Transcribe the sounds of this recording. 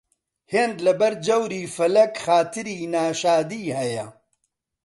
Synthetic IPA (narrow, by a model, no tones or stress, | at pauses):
heːnd̪lɐbɐɾd͡ʒɐwɾiːfɐlɐkxaːt̪ɨɾiːnaːʃaːd̪iːhɐjɐ